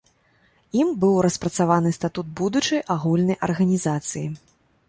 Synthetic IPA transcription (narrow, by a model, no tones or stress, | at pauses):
imbɨwɾɐspɾɐt̪savanɨst̪at̪ud̪̚bud̪ut͡ʂɨjʔaɣulʲnɐjʔɐ̰rɣɐnʲizat̪sɨji